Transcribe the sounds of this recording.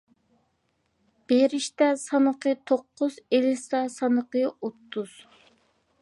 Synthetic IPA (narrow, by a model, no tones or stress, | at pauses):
b̥eɾɪʃt̪ɛsɑnəqʰɨt̪ʰoqːʊzelɪsɛsɑnəqəot̪ʰːuz̥